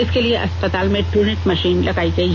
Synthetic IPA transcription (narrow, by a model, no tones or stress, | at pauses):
iskelieʔɐ̰sspət̪almeʈuneʈməɕiːnləɡajt͡seɦ